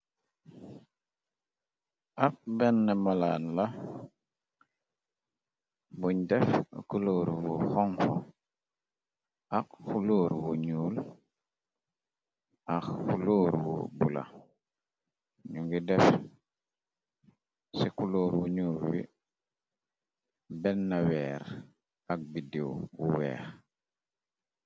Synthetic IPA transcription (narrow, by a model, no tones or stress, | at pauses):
ʔap̚bɛnːɛmalaːnla | buɲdɛfkuloɾwuxɔŋfo̰ | ʔakxuloːɾwuɲuːl | axxuloːɾwṵbula̰ | ɲuŋɡidɛf | sikuloːɾwuɲuːlwḭ | bɛnːawɛːɾ | ak̚bidiwwṵwɛ̰ːɾ